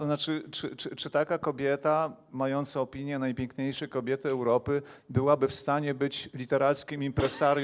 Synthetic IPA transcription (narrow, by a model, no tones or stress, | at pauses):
ɔznat͡ʂɘt͡ʂɘt͡ʂɘt͡ʂɘt̪akakɔbʲjɛt̪a | majɔnt̪sɔɔpʲiɲjɛnajpʲjɛŋkɲejʂɛjkɔbʲjɛt̪ɘɛwɾɔpɘbɘwabɘfst̪aɲɛbɘt͡ɕlʲit̪ɛɾalt̪skʲimimpɾɛsaɾj